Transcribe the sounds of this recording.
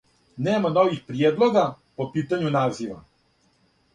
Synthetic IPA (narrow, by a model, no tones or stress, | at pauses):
neːmano̞ʋixpɾjed̪lˠo̞ɡa | po̞piːt̪aɲunaːziʋa̰